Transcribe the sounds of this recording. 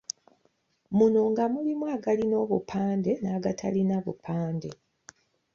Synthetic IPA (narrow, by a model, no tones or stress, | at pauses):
munoŋɡamulimwaɡalino̞ːβupʰaːnde̞naːɡatʰalinaβṵpʰaːnde